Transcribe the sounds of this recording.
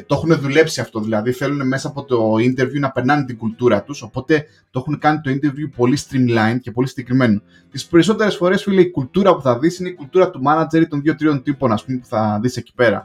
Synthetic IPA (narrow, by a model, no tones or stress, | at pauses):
t̪oe̞xune̞ðule̞psiɐft̪o̞ðilɐðiθe̞lune̞me̞sɐːpo̞t̪o̞int̪e̞ɾvjunɐpenɐnit̪iɡult̪uɾɐt̪uso̞po̞t̪e̞ | t̪oe̞xunekɐnit̪o̞int̪e̞ɾvjupo̞list̪ɾimlɐince̞po̞lisiɟekɾime̞no | t̪ispe̞ɾiso̞t̪e̞ɾe̞sfo̞ɾe̞sfuileikult̪uɾɐpuθɐðisine̞ikult̪uɾɐt̪umɐnɐd͡ze̞ɾit̪o̞nðʝo̞t̪ɾit̪o̞nt̪ipo̞nɐspumepuθɐðise̞ci̥pe̞ɾɐ̰